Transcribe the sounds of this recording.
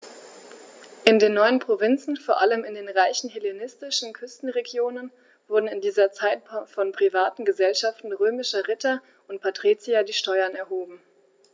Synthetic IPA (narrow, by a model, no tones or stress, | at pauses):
ʔɪndeːnːɔʏənpʁ̥ovɪnt͡sn̩foːɐʔaləmɪndeːnʁaɪçn̩ɦelenɪstɪʃn̩kʰʏstn̩ʁeɡjoːnən | v̥ʊɐdn̩ɪndiːzɐt͡saɪtfɔnpʁ̥ivaːtn̩ɡəzɛlʃaftn̩ʁøːmɪʃɐʁɪtɐ | ʔʊnt̚pʰatʁ̥it͡siadiːʃtɔʏɐnɛɐɦoːbm̩